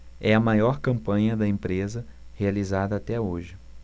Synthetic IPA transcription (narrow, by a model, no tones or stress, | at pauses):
ɛɐmajɔɾkɐ̃mpɐ̃ɲɐd̪ɐẽmpɾezɐhealizad̪ɐat̪ɛoʒɪ